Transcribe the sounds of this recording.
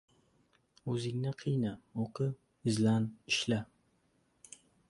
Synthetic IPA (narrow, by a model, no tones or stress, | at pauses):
ɵzɪŋnɪqʰɨjnaoqʰɨ | ɪzlanɪʃla